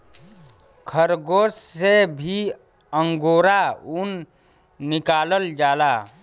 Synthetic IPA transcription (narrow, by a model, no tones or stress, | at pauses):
kʰəɾɡoːssebʱi | əŋɡoːɾaun | nɪkaːləld͡ʒaːla